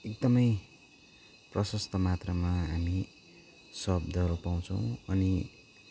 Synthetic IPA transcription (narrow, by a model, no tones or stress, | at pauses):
ekd̪ʌmʌj | prʌsʌst̪ʌmat̪rʌmaɦami | sʌbd̪ʱʌɾopaw̃t͡sʰʌw̃ʌni